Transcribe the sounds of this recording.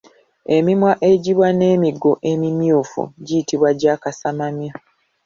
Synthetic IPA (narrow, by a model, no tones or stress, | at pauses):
e̞mimwaʔe̞ɟiβwane̞ːmiɡoʔe̞mimjuːfṵɟijitiβwaɟaːkasamamja